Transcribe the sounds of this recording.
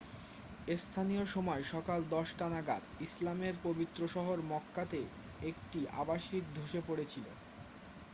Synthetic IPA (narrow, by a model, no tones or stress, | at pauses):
est̪ʰanijoʃɔmɔeʃɔkald̪ɔʃʈanaɡat̪islameɾpobit̪ːɾoʃɔɦoɾmɔkːat̪e | ekʈiʔa̰baʃiɾd̪ʱoʃepoɽet͡ɕʰilo